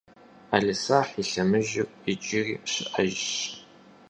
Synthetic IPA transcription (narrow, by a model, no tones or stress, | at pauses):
aɮɨsaːħiɬɐmɨʒɪkʷʼit͡ʃʼirḭːɕɪʔɐʒɕ